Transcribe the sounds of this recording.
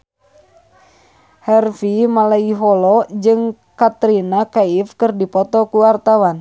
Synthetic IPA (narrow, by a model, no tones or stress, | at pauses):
hɛrfimalaiɦɔlɔd͡ʒɨŋ | kat̪ɾinakaifkɨrdipɔt̪ɔkuwart̪awan